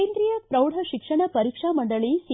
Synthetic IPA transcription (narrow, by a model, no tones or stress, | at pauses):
eːnd̪ɾijɐpɾɐwɽɐʃikʂɐɳɐpɐɾiːkʂamɐɳɖɐɭis